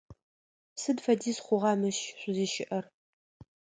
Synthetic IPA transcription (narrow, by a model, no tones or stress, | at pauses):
sɨdfɐdiːsχʷʊʁɑːmɨʃɕʷʼʊziːʃɪʔɐr